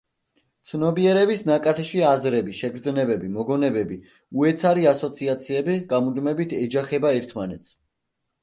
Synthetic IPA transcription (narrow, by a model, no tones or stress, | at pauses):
t̪sʰnɔbiɛɾɛbisnakʼat̪ʰɛʃiazɾɛbiʃɛɡɾd̪znɛbɛbimɔɡɔnɛbɛbi | uɛt̪sʰaɾiasɔt̪sʰiat̪sʰiɛbiɡamud̪mɛbit̪ʰɛd͡ʒaχɛbaɛɾt̪ʰmanɛt̪sʰ